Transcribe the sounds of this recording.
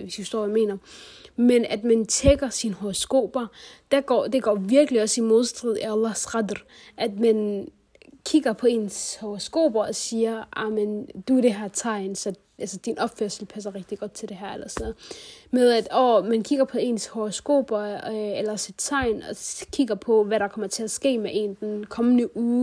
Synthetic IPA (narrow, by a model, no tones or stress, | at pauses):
ʋesiusd̥o̝ɐ̰jɐme̝̰ːnɐmenæd̥mænt͡sʰeɡ̥ɐsinhoʁosɡ̥o̝̰ːb̥ɐd̥æɡ̥ɒ̰ːd̥e̝ɡ̥ɒ̰ːʋiɐɡ̥əliɒ̽simo̝ð̞ˠsd̥ʁið̰ˠæælˠɑhsʁɑdr | ʔæd̥mæn | kʰiɡ̥ɐpʰɒ̽e̝̰ːnshoʁosɡ̥o̝̰ːb̥ɐɒ̽siːɐʔɑmend̥uæɾ̥e̝ɦæɐt͡sʰɑ̈ɪ̰nsɒ̽ | ʔælsɐd̥inʔɒ̽b̥føɐ̰sl̩pʰæs̬ɐʁɛɡ̥̚d̥iɡ̥ɒ̽d̥̚t͡sʰe̝ld̥e̝ɦæɐ̰elɐsɒmeðˠæd̥ɒːmænkʰiɡ̥ɐpʰɒ̽e̝ːnshoʁosɡ̥o̝̰ːb̥ɐelɐsid̥t͡sʰɑ̈ɪ̰nɒ̽kʰiɡ̥ɐpʰɒ̽ʋæɾɑ̈kʰɒ̽mɐt͡sʰe̝æsɡ̥e̝̰ːmeʔe̝̰ːnd̥enkʰɒ̽mənəʔuː